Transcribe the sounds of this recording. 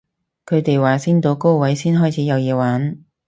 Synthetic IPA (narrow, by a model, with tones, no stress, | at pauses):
kʰɵ˨˧t̪e˨jwaː˨˩siː˥nt̪o˨˧˥wko˥wwɐ˨˥jsiː˥nɦɔː˥jt͡sʰiː˨˥jɐ˨˧wjiː˨˧waː˨˥n